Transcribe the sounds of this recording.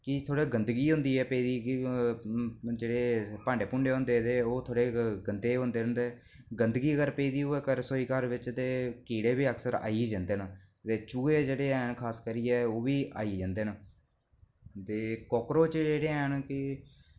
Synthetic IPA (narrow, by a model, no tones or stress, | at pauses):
kɪt̪ʰoːɽeːɡənd̪ɡiːɦʊ̃nd̪iːɛːpeːd̪iːɪ | d͡ʒeːɽeːpãːɳɖeːpʊɳɖeːɦʊ̃nd̪eːt̪eːoːt̪ʰoːɽeːɡənd̪eːɦʊ̃nd̪eːʊ̃nd̪eː | ɡənd̪ɡiːəkəɾpeiːd̪iːɦoeːkəɾsoiːkaɾʋɪt͡ʃt̪eːkiːɽeːbiːəksəɾa̰ːiːd͡ʒãːnd̪eːn | t̪eːt͡ʃuːeːd͡ʒeːɽeːɛːɳkʰaːskəɾiːɛːoːʋiːʔa̰ːiːd͡ʒãːnd̪eːn | t̪eːkɔːkɾoːt͡ʃd͡ʒeːɽeːɛːɳkɪ